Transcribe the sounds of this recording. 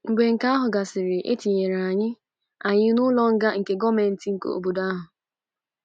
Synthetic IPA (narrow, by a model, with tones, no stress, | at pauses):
ŋ͡m̩˨ɡ͡be˨ŋ̩˨ka˦ɦʊ˨ɡa˨sɪ˨ɾɪ˨ʔḛ˦ti˨ɲe˨ɾa˨ɲɪ˦ | a˨ɲɪ˦nʊ˦lɔ˦ŋ̩˦ɡa˦ŋ̩˨ke˨ɡɔ˦me˨n̩˦ti˨ŋ̩˨ko̰˨o̰˨bo˨da˦ɦʊ˨